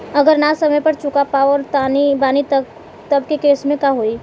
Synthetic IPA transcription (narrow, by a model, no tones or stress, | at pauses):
ɐɡəɾnasɐməjpɐɾt͡ʃʊkapaɔɾt̪anibaːnit̪ | t̪ɐbkekeːsmẽkaɦoːiː